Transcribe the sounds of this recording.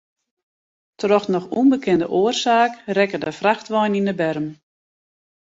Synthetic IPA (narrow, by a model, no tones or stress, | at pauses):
trɔxnɔxunbəkʰɪndə̰ʔoːərsaːkrɛkədəfraxtʋɔjninəbɛrəm